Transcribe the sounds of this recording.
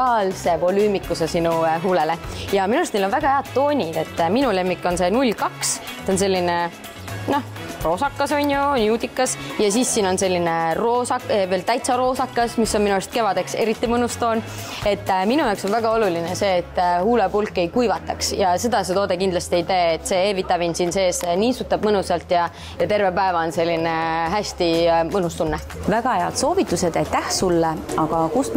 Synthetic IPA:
ɑːlse̞vo̞lyːmikːˑusesinuɦuːlelejɑminust̪neilonvæɡ̥ɑhe̞ɑd̪̥̚t̪o̞ːnʲid̪̥e̞t̪ˑːminule̞mːikːˑo̞nse̞nulʲːkɑks | t̪ons̬e̞lʲːine̞ | no̞h | ro̞ːsɑkːɑso̞nʲjunʲud̪ikːˑɑsjɑsiːsːiːnonse̞lʲːinero̞ːsɑkveːlt̪æjt̪sɑɾo̞ːsɑkːɑsmisːonminuest̪̚ke̞vɑd̪e̞kse̞ɾit̪ːimɤnust̪o̞ːn | e̞t̪ːˑminujɑokso̞nvæɡ̥ɑo̞lulinese̞ːt̪ˑːhuːlepulkːˑe̞jkujvɑt̪ːˑɑksjɑse̞d̪̥ɑset̪o̞ːd̪e̞kind̪lɑsʲt̪ieit̪e̞ːt̪ːˑse̞eːvit̪ːˑɑvinsinse̞ːseniːsut̪ːˑɑb̥mɤnusɑlt̪ˑjɑ | jɑt̪e̞rvepæevɑonse̞lʲːineɦæsʲt̪imɤnust̪unːe | væɡ̥ɑheɑ̰t̪so̞ːvit̪ːˑused̪̥æjt̪ːæhsulːeɑɡ̥ɑkus

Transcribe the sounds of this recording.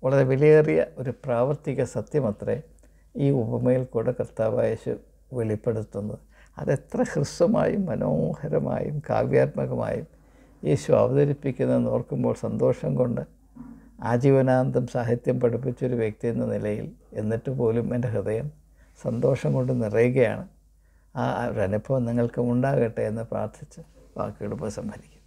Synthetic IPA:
uɭːɐðeʋelijeːrijɐ̰o̞ɾupraːʋɐrt̪iɣɐsɐt̪jɐmɐt̪rḛ | iːubɐmɐjilkuːɽɨkrt̪ːaːʋa̰ːje̞ːɕṵ | ʋeɭipːe̞ɽut̪ːunːɐð | ɐ̰ðe̞t̪rɐhrɨsɐma̰ːjumːɐnoːhɐɾɐ̰ma̰ːjṵmka̰ːʋjaːt̪̚mɐɣɐma̰ːjum | je̞̰ːɕuɐ̰ʋɐðɐɾipːikʲːunːɐnoːrkumbo̞ːɭsɐnd̪o̞ːʂɐŋko̞ɳɖɨ | aːd͡ʑiːʋɐnaːnd̪ʱɐmsaːɦit̪jɐmpɐɽupːit͡ɕːo̞ɾuʋjek̚t̪ijenːɐnilɐjḭle̞nːiʈːɨpo̞ːlumendeɦrɨðɐjɐm | sɐnd̪o̞ːʂɐŋko̞ɳɖɨnirejuɣɐja̰ːɳɨ | aːɾɐnɐpʰːoːniŋːɐɭkɐmuɳɖaːɣɐʈːeenːɨpra̰ːrt̪ʰit͡ɕːɨʋa̰ːkːɨɐɽupːɐsɐmbʰʱɐɾikʲːu̥nː

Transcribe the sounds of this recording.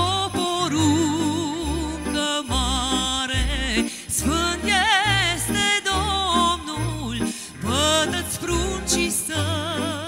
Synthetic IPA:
poɾu | ŋkəmaɾe | sfənt̪jest̪ed̪ɔmnul | pət̪ət͡sfɾunt͡ɕisə

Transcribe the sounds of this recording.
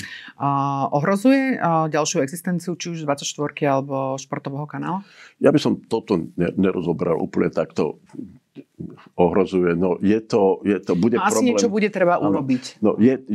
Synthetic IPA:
ʔɔɦɾɔzujɛɟalʃɪuɛɡzist̪ɛnt͡siut͡ʃiuʒd̪ʋat͡sacʃt̪ʋɔɾkialɛbɔʃpɔɾt̪ɔʋɛːɦɔkanaːlajabisɔmt̪ɔt̪ɔɲɛ̰ɲɛɾɔzɔbɛɾa̰lʔṵːpl̩ɲɛt̪akt̪ɔ̰ | ɔɦɾɔzujɛnɔjɛt̪ɔjɛt̪ɔbuɟɛaɾsɔiɲɛlɛt͡ʃɔbuɟɛt̪ɾɛbaʔuɾɔbicnɔ̰jɛ

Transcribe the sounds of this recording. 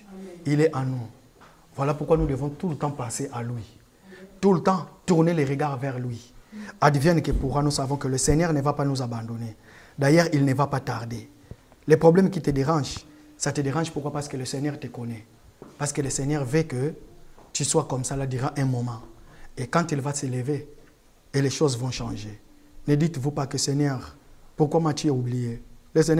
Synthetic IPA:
ilɛʔãnu | vwalapuʁkwanud̪əvɔ̃t̪ulət̪ɑ̃paseʔalɥi | t̪ulət̪ɑ̃t̪uʁnelɛʁəɡaʁvɛʁlɥiad̪vjɛnkəpuʁwanusavɔ̃kələsɛɲœʁnəvapanuzabɑ̃d̪ɔne | d̪ajɛʁilnəvapat̪aʁd̪e | lɛpχɔblɛmkʲit̪əd̪eʁɑ̃ʒ | sat̪əd̪eʁɑ̃ʒpuʁkwapaʁsə̥kələsɛɲœʁt̪əkɔnɛ | paʁsə̥kələsɛɲœʁvəkət̪yswakɔmsalad̪yʁaʔɛ̃mɔmɑ̃ekɑ̃t̪ilvasələveː | lɛʃozvɔ̃ʃɑ̃ʒe | nəd̪it̪vupakəsɛɲœʁpuʁkwamat̪yɛublijeləsɛɲ

